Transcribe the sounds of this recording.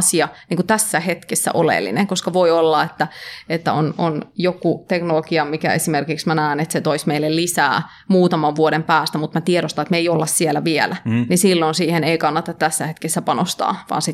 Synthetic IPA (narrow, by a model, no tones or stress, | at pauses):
siɑniːŋkut̪æsːæhet̪kesːæ̰ʔolḛlːḭnḛŋkoskɑʋoiolːɑet̪ːæet̪ːæ̰ononjokut̪eknolokiɑmikæ̰esimerkiksmænæːnet̪set̪oismeilːellisæ̰ː | muːt̪ɑmɑʋʋuoɾempæːst̪æmut̪mæt̪ieɾost̪ɑnet̪meiolːɑssiɛlæʋiɛlænisilːonsiːheneikɑnːɑt̪ɑt̪tæsːæhet̪kesːæpɑnost̪ɑ̰ːʋɑ̰ːnsi